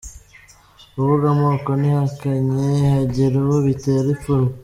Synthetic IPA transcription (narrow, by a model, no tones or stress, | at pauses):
uβuɡamokonihakaɲehaɟiɾiwoβit̪eɾifuɾu